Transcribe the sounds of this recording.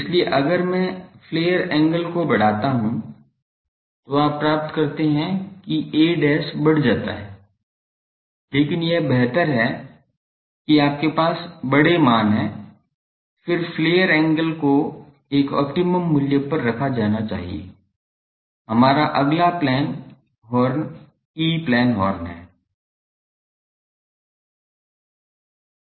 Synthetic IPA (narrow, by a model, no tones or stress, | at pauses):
ɪslieʔɐɡəɾmɛ̃fleːjəɾɛ̃ːŋɡəlkobɐɽ̤aːt̪aɦũ | t̪oaːpːɾaːpt̪kɐɾt̪eɦɛ̃kieːɖɛːsbɐɽ̤d͡ʒaːt̪a̰ɦɛː | leːkɪnjɛbɛɦt̪əɾɦɛ | kiaːp̚kepaːsbɐɽemaːnɦɛ̃ː | fɪɾfleːəɾɛ̃ːŋɡəlko | eːkɔ̰ːpʈɪməmːʊljəpɐɾːɐkʰad͡ʒaːnat͡ʃa̰ːɦḭḛ | ɦɐmaːɾaʔɐɡlaplɛːn | ɦɔːɾn | iːplɛːnɦɔːɾnɦɛː